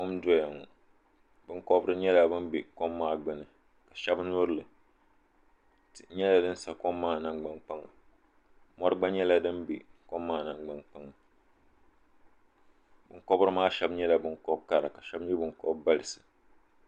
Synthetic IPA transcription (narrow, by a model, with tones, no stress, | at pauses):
kɔ˦mdɔ˦ja˨ŋɔ˨ | bɨ˦ŋkɔ˦bɾɨ˦ɲɛ˦la˨bɨ˦mbi˨kɔ˦mːaː˦˨ɡ͡bɨ˨nɨ˨ | ka˨ʃɛ˦bnʊ˦ɾɨ˦˨lɨ˨ | tɲɛ˦la˨dɨ˦n˦sa˨kɔ˦mːaː˦˨na˦ŋɡ͡ba˦ŋk͡pa˦ŋa˨ | mɔ˦ɾɨ˦ɡ͡ba˦ɲɛ˦la˦dɨ˦nbḭ˨kɔ˦mːaː˦˨na˨ŋɡ͡ba˦nk͡pa˦ŋa˨ | bɨ˨kɔ˦bɾɨ˦maː˦ʃɛ˦bɲɛ˦la˨bɨ˦ŋkɔ˦b̚ka˦˨ɾa˨ka˨ʃɛ˦bɲɛ˦bɨ˨ŋkɔ˦bba˦lɨ˨sɨ˨